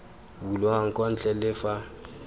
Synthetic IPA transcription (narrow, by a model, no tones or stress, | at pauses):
bulɔaŋ̩kʼɔn̩t͡ɬʼɛlɪfa